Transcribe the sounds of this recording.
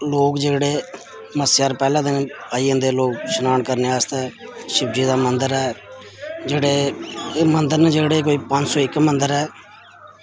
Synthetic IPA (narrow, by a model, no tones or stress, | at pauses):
loːkd͡ʒeːɽeː | məsjaːɾpɛːlãːd̪enaːiːə̃nd̪eːloːkʃənaːɳkəɾneːaːst̪eːʃɪb̚d͡ʒiːd̪aːmənd̪əɾɛː | d͡ʒeːɽeːmənd̪əɾned͡ʒeːɽeːkoːiːpəɲd͡ʒsɔːɪkːmənd̪əɾɛː